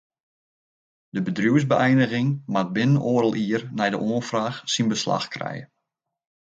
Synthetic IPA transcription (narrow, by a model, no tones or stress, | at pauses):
dəbədrjuəzbəʔɛjnəɣɪŋmat̚bɪnənoːɾəlˠʔiərnɛjdəʔoənfraːxsinbəsla̰xkrɛ̰jə